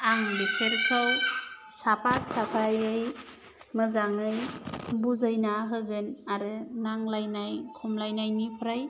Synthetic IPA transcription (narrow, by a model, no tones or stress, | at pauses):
aŋbeseɾkʰawsapʰasapʰajɯj | mɯzaŋɯjbuzajnaɦɯɡɯnaɾɯnaŋlajnajkʰumlajnajnipʰɾaj